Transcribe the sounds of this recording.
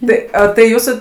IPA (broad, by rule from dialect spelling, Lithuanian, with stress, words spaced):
ˈtɐɪ oː tɐɪ ˈjuːsʊ